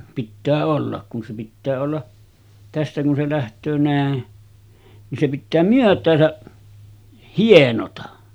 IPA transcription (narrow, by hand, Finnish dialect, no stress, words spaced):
pitːæː olːɑk kun se pitːæː olːɑ tæstæ kun se læhtˑøː næˑe nin se pitːæː myøtˑæːsæ hienotɑ